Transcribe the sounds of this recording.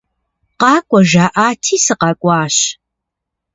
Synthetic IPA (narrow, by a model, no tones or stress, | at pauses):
qɑːkʷʼɔʒaːʔaːtʰiːsɨqɑkʷʼɑːɕ